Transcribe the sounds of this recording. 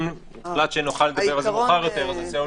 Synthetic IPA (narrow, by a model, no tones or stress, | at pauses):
mbχlat̪ʃenoχalːed̪abbevazoχaʁjot̪eʁazazeo